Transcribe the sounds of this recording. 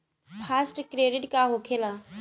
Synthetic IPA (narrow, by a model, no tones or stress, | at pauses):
pʰasʈkɾeɖiʈkaɦokʰela